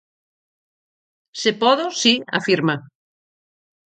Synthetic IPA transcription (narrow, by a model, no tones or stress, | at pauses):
sepɔðosia̰fiɾma